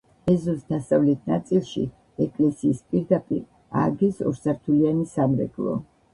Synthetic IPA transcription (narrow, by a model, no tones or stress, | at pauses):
ɛzusd̪asavlɛt̪ʰnat̪sʼilˠʃḭ | ɛkʼlɛsiːspʼiɾd̪apʼiɾ | a̰ɡɛsɔ̰ɾsaɾt̪ʰulianisamɾɛ̰ɡʼlˠɔ̰